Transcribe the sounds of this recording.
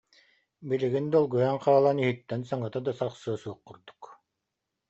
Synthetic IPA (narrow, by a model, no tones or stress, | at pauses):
biɾiɡind̪ɔlˠɡujaŋqaːlˠaniɦit̪ːɛnsaŋɯt̪ad̪asaχsɯɔsuɔqːuɾd̪u̥k